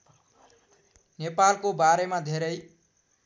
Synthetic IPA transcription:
nepalkobaɾemad̪ʱeɾʌj

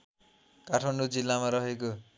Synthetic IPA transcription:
kaʈʰmʌɳɖod͡zilːamaɾʌɦeko

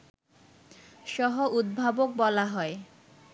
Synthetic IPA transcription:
ʃɔɦoʔud̪̚bʱabok̚bɔlaɦɔe

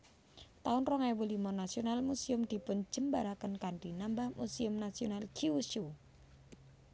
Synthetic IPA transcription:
t̪aʊnrɔŋawulimɔnasionalmusiʊmd̪̥i̤pʊn̥d͡ʒ̥ə̤mbaɾakənkaɳɖinambahmusiʊmnasionalkʰiuʃu

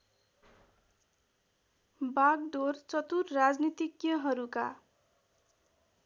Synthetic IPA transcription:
baɡɖort͡sʌt̪urːad͡znit̪ikjʌɦʌɾuka̰

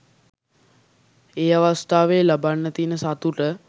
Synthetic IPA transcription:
eːaʋast̪aːʋeːlabanːət̪iːnəsat̪uʈə

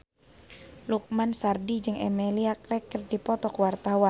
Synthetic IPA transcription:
luk̚mansardid͡ʒɨŋɛmeliakɾɛkːərdipɔt̪ɔkwart̪awan

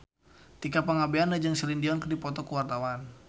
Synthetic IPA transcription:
t̪ikapaŋabeandad͡ʒɨŋsɛlindiɔnkərdipɔt̪ɔkuwart̪awan

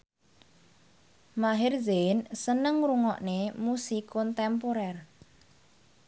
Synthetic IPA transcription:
maɦɪrzensənəŋɾuŋɔ̰ʔnemusikɔnt̪ɛmpoɾɛr

